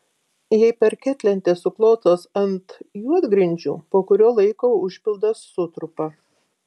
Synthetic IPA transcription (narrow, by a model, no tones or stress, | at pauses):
jɛɪpʲɛɾkʲɛt̪ʲlʲɛnʲt̪ʲeːsʊklˠoːt̪oːsɐnt̪jud̪ɡɾʲɪnʲd͡ʒʲṵːpoːkʊɾʲoːlˠɐɪkoːʊʃʲpʲɪlˠd̪ɐsːʊt̪ɾʊpɐ